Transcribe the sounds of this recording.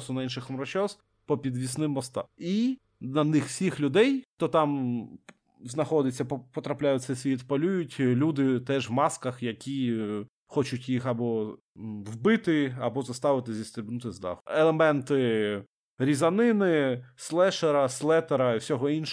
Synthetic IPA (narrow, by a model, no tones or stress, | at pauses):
sʊnɐinʃɪxmɾɔt͡ʃɔz | pɔpʲid̪ʋʲisnɪmːɔst̪ɑ̰i | nɐnɪxwsʲixlʲʊd̪ɛjt̪ɔt̪ɑm | znɐxɔd̪ɪt͡sʲːɐppɔt̪ɾɐplʲajʊt̪ʲsɛsʲʋʲit̪pɐlʲujʊtʲlʲud̪ɪt̪ɛʒʋmɑskɐxjɐkʲi | xɔt͡ʃʊtʲjixɐbɔ | wbɪt̪ɪɐbɔzɐst̪ɑʋɪt̪ɪzʲist̪ɾʲɪbnʊt̪ɪzd̪ɑ̰xelˠemɛnt̪ɪ | ɾʲizɐnɪnɪslˠɛʃeɾɐslˠɛt̪eɾɐwsʲɔɦɔinʃ